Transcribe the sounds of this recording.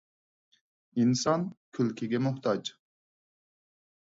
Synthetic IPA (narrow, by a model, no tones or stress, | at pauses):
insɑnkʲʰylkʲʰɪɡʲɛmuht̪ʰɑd͡ʒ